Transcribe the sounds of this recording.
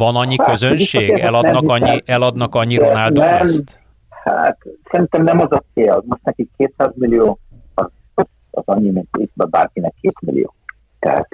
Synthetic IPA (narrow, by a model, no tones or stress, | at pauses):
vɒnɒɲːikkøzønʃʃeːɡɛ̰lɒd̪nɒɒɲːiʔɛlɒd̪nɒkɒɲːionaːld̪oɛɛmt̪ | ha̰t̪sɛɾint̪ɛmnɛmɒzɒt̪seːjlɒ̰zmo̞ʃt̪nɛkikːeːt̪saːzmilːijoː | ɒz | ɒ̰zɒɲːimint̪isbɛba̰ːrkinɛkʰːeːt̪mḭlḭjo̰ː | t̪ɛ̰ɦa̰t̪